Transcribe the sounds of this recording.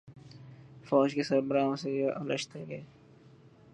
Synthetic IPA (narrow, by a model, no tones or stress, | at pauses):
fɔːd͡ʒkesɐɾbəɾaːõsejaʔələ̰ʃt̪eɡeeː